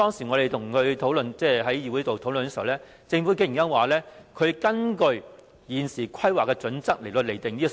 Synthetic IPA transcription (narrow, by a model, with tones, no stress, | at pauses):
t̪ɔː˥ŋsiː˨˩ŋɔ˨˧ɾe˨jt̪ʰʊ˨˩ŋkʰɵ˨˧ɥt̪ʰo˨˥wlɵ˨nt͡sɛː˥˩ɦɐ˨˥jjiː˨˧wu˨˥t̪o˨wt̪ʰo˨˥wlɵ˨nkɛː˧˥swlɛː˥ | t͡sɪ˧ŋfu˨˥ke˥jnɐ˥nwaː˨lɛː˥kʰɵ˨˧ɥkɐ˥nkɵ˧ɥ | jiː˨nsiː˨˩kʰɐ˥jwaː˨˩kːɛː˧t͡sɵ˨˥nt͡sɐ˥k̚le˨˩t̪o˧le˨˩jt̪ɪ˨ŋiː˥˨